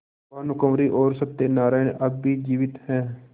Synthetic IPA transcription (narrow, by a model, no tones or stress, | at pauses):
aːnʊkəmɾiːʔoːɾsət̪ːeːnaːɾaːɪnʔəbbːiːd͡ʒiːʋɪt̪hɛː